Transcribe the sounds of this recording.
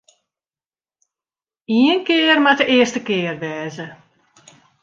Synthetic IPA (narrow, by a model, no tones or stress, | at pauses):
iənkɪərmatəʔɪərstəkɪːərʋɛːzə